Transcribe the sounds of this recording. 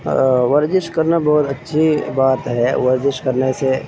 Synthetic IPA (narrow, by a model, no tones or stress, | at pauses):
ʋəɾd͡ʒɪʃkəɾnabɔːʊt̪ɐtːʃʰibaːt̪ɦɛʋəɾd͡ʒɪʃkəɾnese